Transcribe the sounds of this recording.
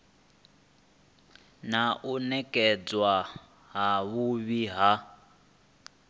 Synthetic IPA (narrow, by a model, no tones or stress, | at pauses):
naʔunɛkʼɛd͡zwa | ɦaβuβiɦa